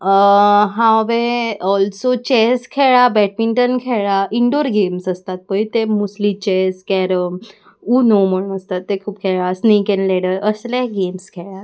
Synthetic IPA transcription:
ɦãʋeɔlsot͡ɕeskʰeɭabɛʈ̚miɳʈənkʰeɭaiɳɖoɾɡemsəst̪at̪̚pəit̪emuslit͡ɕeskɛɾəm | unom̤əɽ̃əst̪at̪ːekʰuːp̚kʰeɭasnikẽnleɽəɾəslaɡemskʰeɭat̪

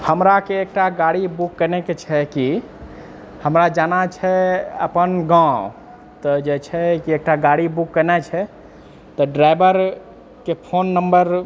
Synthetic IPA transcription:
həmɾakeek̚ʈaɡaɽibukːənɛket͡ʃʰɛki | həmɾad͡ʒanat͡ʃʰɛə̰pənɡã | t̪əd͡ʒet͡ʃʰɛkiek̚ʈaɡaɽibukːənɛt͡ʃʰɛ | t̪əɖɾajbəɾ | kepʰonːəmbəɾ

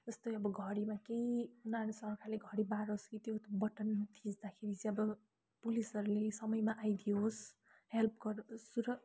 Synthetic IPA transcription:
d͡zʌst̪oʌbʌɡʱʌɾimakejunarnsʌrkʰaleɡʱʌɾibaɾooskit̪jot̪obʌʈʌnt̪ʰisd̪akʰeɾit͡siʌbʌ | pulisʌɾulesʌmʌjmaʔajd̪ioɦos | help̚ʰɡʌɾsuɾʌ

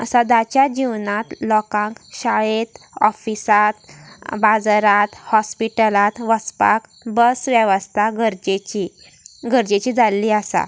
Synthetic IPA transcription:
ə̰sad̪at͡ɕjad͡ʑiʋnat̪lɔkãŋkɕaɭet̪ | ɔfisat̪bad͡zɾat̪hɔspiʈəlat̪ʋəspa̰k | bəsʋjəʋəst̪ʰaɡəɾd͡ʑet͡ɕi | ɡəɾd͡ʑet͡ɕiːd͡zalːiːasa̰

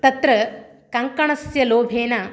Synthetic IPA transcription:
t̪ɐt̪ɾɐ | kɐŋkɐɳɐsjɐloːbʱeːnɐ

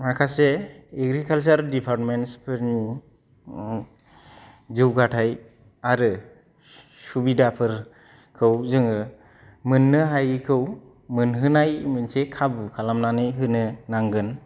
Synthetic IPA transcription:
makʰaseːɡɾikʰals̬aɾdipʰaɾtmenspʰɯɾni | zɯwɡatʰaj | aɾɯ | subidapʰɯɾ | kʰɯwzɯŋɯ | mɯnːɯɦajkʰɯw | mɯnɦɯnajmɯnsekʰabkʰalamnanɯjɦɯnɯnaŋɡɯn

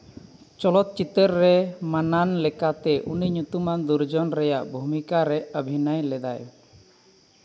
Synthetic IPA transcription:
t͡ʃɔlɔt̪̚t͡ʃit̪əɾːɛmananlɛkat̪ɛʔuniɲut̪umand̪uɾd͡ʒɔnɾɛjaʔbʱumikaɾɛəbʱinajlɛd̪a̰j

